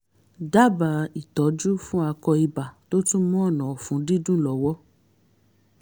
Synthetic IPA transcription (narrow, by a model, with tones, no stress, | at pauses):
da˦ba˨i˨tɔ˨˦d͡ʒu˦fũ˦a˧kɔ˧i˧ba˨to˦tũ˦mɔ̃˦ɔ˦˨nɔ̃˨ɔ˨fũ˨˦di˦dũ˦˨lɔ˨˦wɔ˦